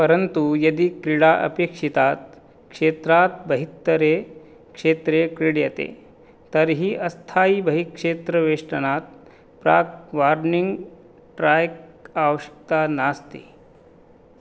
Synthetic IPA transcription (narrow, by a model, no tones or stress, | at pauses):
pəɾənt̪ujɐd̪iːkɾiɽaʔə̰pekʂit̪at̪ | kʂet̪ɾat̪̚bəɦit̪ːəɾe | kʂet̪ɾekɾiɽjət̪ḛ | t̪əɾɦiːʔɐst̪ʰaiːbəɦiːkʂet̪ɾəʋeʂʈənat̪̚ | pɾa̰kʋaɾniŋɡ | ʈɾajkaʋəɕə̥k̚t̪anast̪ḭ